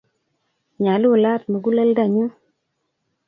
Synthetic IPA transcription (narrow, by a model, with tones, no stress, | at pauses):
ɲa˨lu˦˨la˦˨t̚mə˨ɡu˦la˦lda˨ɲu˦